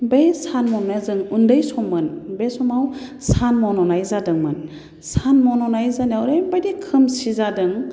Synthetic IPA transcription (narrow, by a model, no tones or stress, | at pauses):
bejsanmɔnnazɯŋundɯjsɔmːɯnbesɔmawsanmɔnɔnajzadɯŋmɯn | sanmɔnɔnajzaniawɾejbajdikʰɯmsizadɯŋ